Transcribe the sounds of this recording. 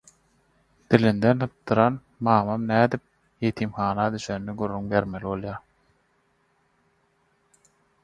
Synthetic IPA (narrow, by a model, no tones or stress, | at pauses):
d̪̥ilind̪ent̪ʰɯp̚t̪ːɯɾɑn | mɑːmɑmnæːd̪ip̚ | jet̪ʰiːmxɑːnɑd̪yʃønːiɡyrːyŋbe̞ɾme̞liβo̞lˠjɑː